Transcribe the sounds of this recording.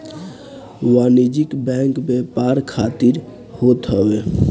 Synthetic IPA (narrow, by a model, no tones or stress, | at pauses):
wanid͡ʒikbɛ̃ŋkbepaɾkʰat̪iɾ | hot̪ɦəwe